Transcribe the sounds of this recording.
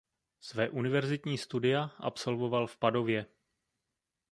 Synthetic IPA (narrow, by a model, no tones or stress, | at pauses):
svɛːʔunɪvɛɾzɪt̪ɲiːst̪udɪjaʔa̰pso̞lvo̞valfpado̞vjɛ